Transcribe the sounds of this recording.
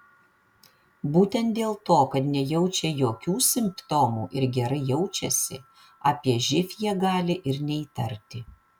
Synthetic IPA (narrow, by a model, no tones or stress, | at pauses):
buːt̪ʲɛnt̪̚d̪ʲeːlˠt̪oːkɐt̪nʲɛjɛʊt͡ʃʲɛjoːkʲuːsʲɪmpt̪omuːʔɪɾɡʲɛɾɐɪjɛʊt͡ʃʲɛsʲɪ̰ | ɑːpʲiɛʒʲɪfʲjɛɡɑːlʲɪʔɪɾnʲɛit̪ɐɾʲt̪ʲɪ